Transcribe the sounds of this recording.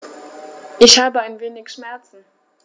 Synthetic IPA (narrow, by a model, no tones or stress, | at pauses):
ʔɪçhaːbəaɪnveːnɪçʃmɛɐt͡sn̩